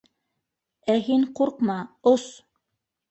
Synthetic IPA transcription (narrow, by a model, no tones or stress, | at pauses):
æɦiɴquɾqmɑos